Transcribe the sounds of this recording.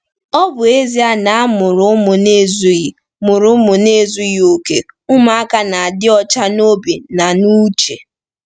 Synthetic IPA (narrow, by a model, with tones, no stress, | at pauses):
ɔ˦bʊ˨e˦zi˦a˦na˨a˦mʊ˨ɾʊ˨˦mʊ˨ne˦˨zu˦ji˨ | mʊ˨ɾʊ˦mʊ˨ne˦˨zu˦ji˦o˨ke˨ʊ˦ma˨a˦ka˦na˨a˨dɪ˦ɔ˦t͡ʃa˦no˦bi˨na˨nu˦t͡ʃḛ˨